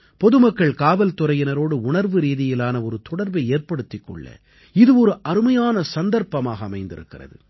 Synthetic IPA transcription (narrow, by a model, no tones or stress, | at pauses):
pɔðɯmɐkːɐɭkaːʋɐlt̪ʊɾɐjɪnɐɾoːɽɯʊɳɐɾʋɯɾiːðɪjɪlaːnɐɔɾɯt̪ɔɽɐɾbɐɪeːrpɐɽɯt̪ːɪkːɔ̰ɭːɐ̰ | ɪðɯɔɾɯʔɐɾɯmɐjaːnɐsɐnd̪ɐɾpɐmaːɣɐːmɐɪnd̪ɪ̰ɾɯ̰kːɪrɐ̰ðɯ̰